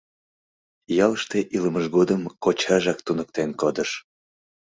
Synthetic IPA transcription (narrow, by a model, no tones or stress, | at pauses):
jɑləʃt̪eʔiləməʒɣod̪əmkot͡ɕɑʒɑk̚t̪unək̚t̪enkod̪əʃ